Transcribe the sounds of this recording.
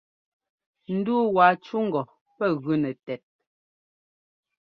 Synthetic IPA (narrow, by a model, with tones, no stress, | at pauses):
n̩˦duː˦waː˨t͡ʃu˦ŋ̩˨ɡɔ˨ | pɛ˦˨ɣʉ˦nɛ˨tɛ˨t̚